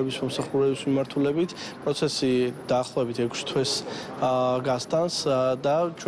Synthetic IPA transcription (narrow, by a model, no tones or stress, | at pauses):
ɛbismɔmsaχuɾɛbismimaɾt̪ʰulɛbit̪ʰpʼɾɔt̪sʰɛsid̪aːχlˠɔvɛbit̪ʰɛkʰst̪ʰwɛs | ɡast̪ʼansd̪at͡ʃʰ